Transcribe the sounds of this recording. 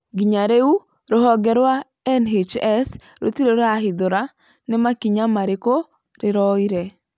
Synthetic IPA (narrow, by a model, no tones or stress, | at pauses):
ɡiɲaɾeu | ɾoɦɔɡɛɾwa | ɛnɦet͡ʃɛs | ɾo̰t̪iɾoɾaɦɪd̪oɾa | nɪmakiɲamaɾɪko | ɾɪɾɔiɾe